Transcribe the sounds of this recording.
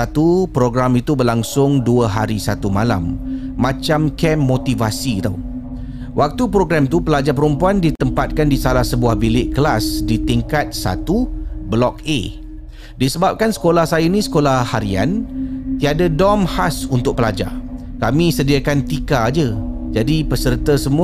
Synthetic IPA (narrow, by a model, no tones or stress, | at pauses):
at̪upɾoɡɾamit̪ubərlaŋsʊŋduəɦaɾisat̪umala̰mː | ãt͡ʃamkɛmːot̪ivasit̪aw | wʔak̚t̪upɾoɡɾamt̪upəlad͡ʒapəɾumpuandit̪əmpat̪̚kandisalahsəbuahbilɪʔkəlasdit̪iŋkat̪̚sa̰t̪ubəlɔk̚ḛ | disəbap̚kansə̥kolahsajainĩsə̥kolahhaɾia̰nt̪iadadɔmhasunt̪ʊk̚pəlad͡ʒa̰r | kamĩsədiakant̪ikad͡ʒəd͡ʒadipəsərt̪asəmu